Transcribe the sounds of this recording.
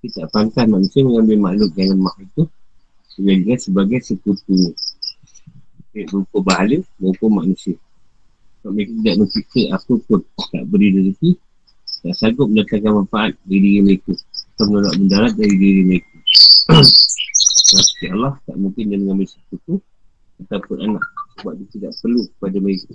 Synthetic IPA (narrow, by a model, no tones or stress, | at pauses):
kit̪aʔpant̪asmaʔnusiəməŋambɪlmaʔlʊk̪̚d͡ʒaŋanmahit̪u | səɡad͡ʒukasəbaɡajsəkut̪u | keʔbəukubaɦaləməkʊmaʔnusiə | kaʔmekut̪idaʔnupiʔt̪eʔapəpʊnt̪a̰ʔbəɾidəsiki | t̪aʔsaɡʊʔ̚mənət̪aŋkanmanfaʔat̪̚daɾidiɾimaikuat̪amənula̰ʔməndaɾat̪̚daɾidiɾimaiku | wast̪ialɑht̪a̰ʔmuŋkɪndəməŋambisəkut̪u | at̪awpʊnanã̰ʔsəbuaʔ̪̚bit̪ik̪aʔpərlukə̥padamaiku